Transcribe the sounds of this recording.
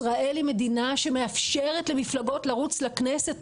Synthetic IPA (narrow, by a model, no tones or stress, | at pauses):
ʁaʔe̞lime̞dinaʃe̞meafʃeʁet̪lemiflaɡo̞tlaʁut͡slaknese̞t